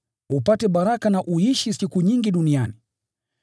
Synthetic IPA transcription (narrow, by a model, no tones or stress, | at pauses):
upatɛɓaɾakanaʔuiʃisikuɲiŋɡiɗuniani